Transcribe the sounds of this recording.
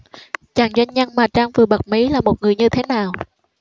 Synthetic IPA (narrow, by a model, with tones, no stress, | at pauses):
t͡ɕaː˨˩ŋzwa˧jŋɲə˧ŋmaː˨˩t͡ɕaː˧ŋvɨ˨˩ɓə˨˩t̚mi˨˦laː˨˩mo˨˩t̚ŋɨ˨˩əjɲɨ˧t̪ʰe˨˦naː˨˩w